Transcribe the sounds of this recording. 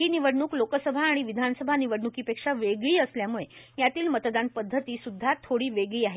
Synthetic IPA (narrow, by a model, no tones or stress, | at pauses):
iːniʋəɽɳuːklokəsəbʱaːɽ̃iʋid̪ʱanəsəbʱaniʋəɽɳukiːpekʂaʋeɡɭiːəsljamuɭe | jat̪iːlmət̪d̪anpəd̪ʱːət̪iːsud̪ʱːat̪ʰːoɽiːʋeɡɭiːaɦe